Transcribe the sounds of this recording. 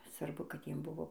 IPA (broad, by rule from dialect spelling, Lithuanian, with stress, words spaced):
sʋɐrˈbʊ kɐt ˈjiɛm ˈbʊʋoː